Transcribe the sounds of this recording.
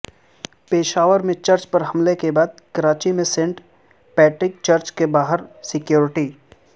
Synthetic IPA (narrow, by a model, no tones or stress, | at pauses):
peːʃaːʋəɾmẽt͡ʃɐɾt͡ʃpɐɾɦɐmlekebaːd̪̚kɐɾaːt͡ʃimẽsẽːɳʈ | pɛːʈɾɪk̚t͡ʃɐɾt͡ʃkebaːɦəɾsɪkjoːɾɪʈiː